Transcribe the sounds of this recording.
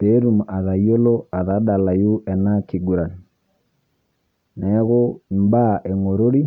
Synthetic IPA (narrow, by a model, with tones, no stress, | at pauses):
pe˨˦ɾu˨ma˨ða˨jo˦lo˦a˨ða˨˦ɗa˨la˨ju˦ʔɛ˨na˦ki˨ɡu˨ɾa˨n˨ | nɛ˨˦ɣo˦m˦ba˦˨ʔɛ˨ŋo˨ɾo˦ɾi˦